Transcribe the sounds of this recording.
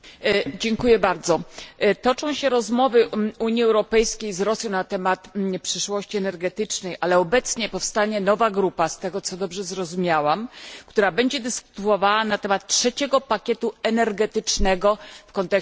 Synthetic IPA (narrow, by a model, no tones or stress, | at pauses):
d͡ʑɛŋkujɛbaɾd̪zɔt̪ɔt͡ʂɔ̃w̃ɕɛɾɔzmɔvɘuɲiɛwɾɔpɛjskʲejzɾɔsʲjɔ̃w̃nat̪ɛmat̪pʂɘʂwɔɕt͡ɕiɛnɛɾɡɛt̪ɘt͡ʂnɛjʔalɛɔbɛt̪sɲɛpɔfst̪aɲɛnɔvaɡɾupast̪ɛɡɔt̪sɔd̪ɔbʐɛzɾɔzumʲjawamkt̪uɾabɛɲd͡ʑɛd̪ɘsku̥t̪ɔvawanat̪ɛmat̪̚tʂɛt͡ɕɛɡɔpakʲɛt̪uɛnɛɾɡɛt̪ɘt͡ʂnɛɡɔfkɔnt̪ɛk